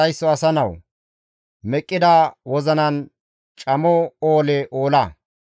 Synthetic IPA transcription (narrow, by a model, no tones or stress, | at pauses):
ɐjsːɔɐsɐnɐw | mɛkʼːɪd̪aːwɔzɐnɐn | t͡ʃʼɐmɔoːlɛʔoːlɐ